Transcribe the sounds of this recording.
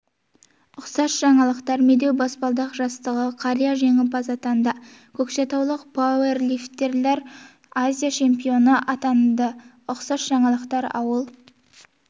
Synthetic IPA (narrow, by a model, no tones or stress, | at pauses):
ʊqsɑsʒ̥ɑɴɑlˠəqt̪ɑɾmed̪e̞wbɑspɑlˠd̪ɑqʒɑst̪əʁəqʰɑɾijaʒe̞ŋɪpɑzɑt̪ɑnd̪ɑ | kʲʰɵkʃet̪ɑwlˠəqpʰowerlift̪ːe̞ɾleɾ | azʲijat͡ʃʰe̞mpijo̞nəʔɑt̪ɑnd̪ə | ʊqsɑsʒɑɴɑlˠəqt̪ɑɾɑ̰wəlˠ